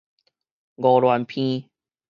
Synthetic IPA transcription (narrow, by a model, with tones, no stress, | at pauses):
ɡɔ˨ɾwa˨npʰĩ˦